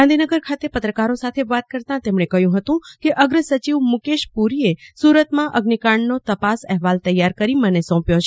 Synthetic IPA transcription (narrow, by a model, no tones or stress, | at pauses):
ɡãnd̪ʱinəɡəɾkʰat̪epət̪ɾəkaɾosat̪ʰeʋat̪̚kəɾt̪ãt̪emɳekəɦjũɦət̪ũkeʔəɡɾəsət͡ʃiʋmukeʃpuɾiesuɾət̪mãʔəɡnikaɳnot̪əpasɛɦʋalt̪əjːaɾkəɾimənesɔ̃pjot͡ʃʰe